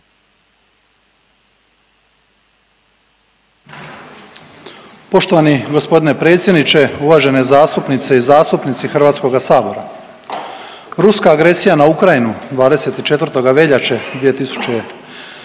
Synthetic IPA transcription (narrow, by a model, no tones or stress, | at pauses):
po̞ʃt̪o̞ʋaniɡo̞spo̞d̪ine̞pɾe̞ːt̪sjed̪nit͡ʃe̞uʋaːʒe̞ne̞zaːst̪upnit̪se̞izaːst̪upnit̪sixr̩ʋaːt̪sko̞ɡasaːbo̞ɾa̰ | ɾuskaːɡɾe̞sijanaukɾajinud̪ʋaːd̪e̞se̞t̪it͡ʃe̞t̪vrt̪o̞ɡaʋe̞ʎat͡ʃed̪ʋije̞t̪isu̥t͡ʃe